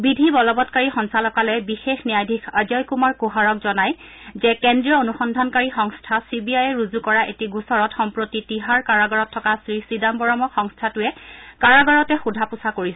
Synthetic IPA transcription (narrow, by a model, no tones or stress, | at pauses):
bidʱibɔlɔbɔtkaɹixɔŋsalɔkalɛjbixexnijajdʱikʰazɔjkumaɹkuɦaɹɔkzɔnaj | zɛkendɹijɔonuxɔndʱankaɹixɔŋstʰasibiajɛɹuzukɔɹaʔetiɡusɔɹɔtxɔmpɹotitiɦaɹkaɹaɡɔɹɔtʰːɔkasɹisidambɔɹɔmɔxɔŋstʰatʊɛkaɹaɡɔɹɔtɛxudʱapusakoɹisɛ